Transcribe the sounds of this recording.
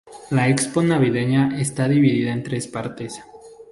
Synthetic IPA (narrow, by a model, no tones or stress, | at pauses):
laeksponaβiðeɲaʔest̪aðiβiðiðaent̪ɾe̞spaɾt̪e̞s